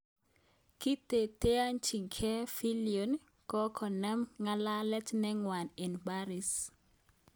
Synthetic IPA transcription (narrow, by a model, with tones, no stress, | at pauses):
ki˦te˨te˦a˦nt͡ʃi˨kʰɛ˦fi˦lio˨n | kɔ˦kʰɔ˨nɛ˦mŋa˦la˦lɛ˦tnɛ˦ŋwa˨ne˨nba˦ɾi˨s